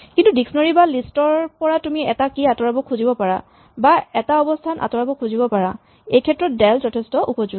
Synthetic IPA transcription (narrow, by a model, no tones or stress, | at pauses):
kintudiksɔnɔɹibalistɔɹpɔɹatumiɛtakiatɔɹabɔkʰuzibɔpaɹa̰ | baɛtaɔbɔstʰanʔa̰tɔɹabɔkʰuzibɔpaɹa | ejkʰɛtɹɔt̚dɛlzɔtʰɛstɔʔupɔzuɡ